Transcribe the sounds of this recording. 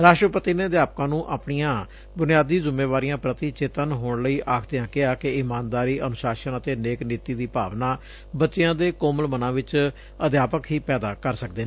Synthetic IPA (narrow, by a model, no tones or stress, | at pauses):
ɾaːʃʈɾəpət̪iːneːəd̪jaːp̚kãːnũːʔaːpɳijãː | bʊnɪjaːd̪iːzʊmeːʋaːɾijãːpɾət̪iːt͡ʃeːt̪ənɦoːɳləiːʔaːkʰd̪ejãːkɪaːkɪɪmaːnd̪aːɾiːʔənʊsaːʃənət̪eːneːkniːt̪iːd̪iːpa̰ːʋnaː | bətːʃejãːd̪eːkoːməlmənãːʋɪt͡ʃ | əd̪jaːpəkɦiːpɛːd̪aːkəɾsək̚d̪eː